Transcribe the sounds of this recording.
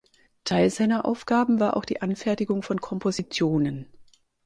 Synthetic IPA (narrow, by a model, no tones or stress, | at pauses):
tʰaɪlzaɪnɐʔa̰ʊfɡ̥aːbm̩vaːɐʔa̰ʊxd̥ḭːʔanfɛɐtɪɡʊŋfɔnkʰɔmpʰozit͡sjoːnən